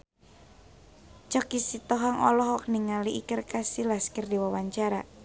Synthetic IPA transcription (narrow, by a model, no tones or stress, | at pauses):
t͡ʃɔkisit̪ɔɦaŋɔlɔɦɔk̚niŋaliʔikərkasilaskərdiwawaɲt͡ʃaɾa